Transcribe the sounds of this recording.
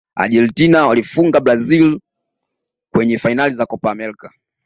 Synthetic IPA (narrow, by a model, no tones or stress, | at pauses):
a̰ʄɛltinawalifuŋɡabɾazil | kwɛɲɛfainalizakɔpaːmɛɾika